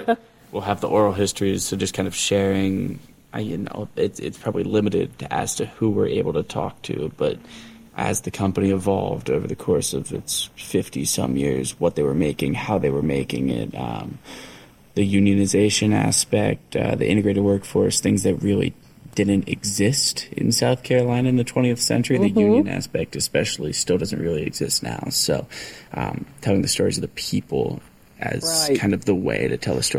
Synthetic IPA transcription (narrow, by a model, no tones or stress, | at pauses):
wilˠəvðiʔɔɹl̩ˠɦɪstɹ̥iz̥soʊd͡ʒʌskʰãɪ̃ndʌv̥ʃɛɹɪ̃ŋ | ʔaɪjɨ̰no̰ʊɪtɪ̰tspʰɹ̥ɑbəblilɪ̃mɨɾɪ̰d̚tʰɨʔæ̰s̚tʰɨhuwə˞ʔeɪbl̩ˠtʰɨtʰɔ̰k̚tʰʉ̰b̥ʌɾ | ʔɨ̰zðɨkʰʌ̃mpəniɨvɑ̰lˠvdoʊvə˞ðɨkʰɔɹsʌvɨ̰tsfɪftisʌ̰̃mjɪ̰ɹzwʌt̪̚ðeɪwə˞meɪkɪ̃ŋhaʊðeɪwə˞meɪkɪ̰̃ŋɪ̰t̚ʌ̰̃m | ðɨjʉ̃njɨ̃nɨzeɪʃɨ̃næ̰spɛk̚tʌ̰ð̰ʔɪ̰̃ɾɨɡɹeɪɾɨd̚wɜ˞kfɔɹsθɪ̃ŋzðɨt̚ɹɪlˠḭ | d̥ɪdⁿn̩tɨ̰ɡzɪstɨ̰̃nsaʊθkʰɛɹɨlãɪ̃nɨ̃nðɨtʰw̥ɛ̃ɾ̃iɨθsɛ̰̃nt͡ʃə˞iðɨjʉ̃njɨ̃næ̰spɛk̚tɨspɛʃl̩ˠistɪlˠdʌz̃n̩ʔ̚ɹɪlˠiɨ̰ɡz̥ɪstⁿna̰ʊsoʊʔʌ̃mtʰɛlˠɪ̃ŋðɨstɔɹizʌvðəpʰipl̩ˠ | ʔɨ̰z̥kʰãɪ̃ndʌvðəwḛɪɾɨtʰɛlˠðəstɔ